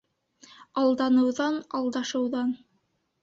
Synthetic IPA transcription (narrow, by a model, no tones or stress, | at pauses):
ɑlˠd̪ɑnɤ̆wðɑnɑlˠd̪ɑʃɤ̆wðɑn